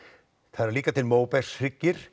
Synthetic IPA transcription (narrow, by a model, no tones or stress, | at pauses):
θaðɾliːkat̪ʰɪlmoːwpɛ̥sɾɪcːɪɾ̥